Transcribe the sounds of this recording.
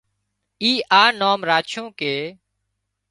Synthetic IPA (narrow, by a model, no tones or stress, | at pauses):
iːʔaːnoːmɾaːt͡ʃʰõːkeː